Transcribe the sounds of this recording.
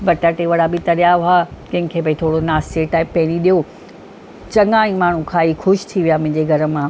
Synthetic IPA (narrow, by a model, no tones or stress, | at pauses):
bɐʈəʈeʋɐɽabɪt̪ɐɾijaʊakɐ̃ɦɪ̃kʰeːbɐit̪ʰoːɽonaːst̪eːʈaːɪpːɐ̃ɦɪ̃niɗijo | t͡ɕɐŋɡãːĩmaːɳ̤ũkʰãːiːxʊʃt̪ʰiʋijamʊ̃ɦɪ̃ɲd͡ʑeɡʱɐɾə̆mãː